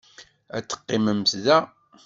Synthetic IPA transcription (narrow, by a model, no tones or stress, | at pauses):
æ̰t͡sːə̥qːiməmθðæ